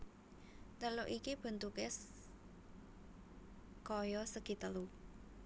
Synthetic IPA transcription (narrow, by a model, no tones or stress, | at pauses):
t̪əloʔikib̥ə̤nt̪ukes | kɔjɔsəɡ̥i̤t̪əlu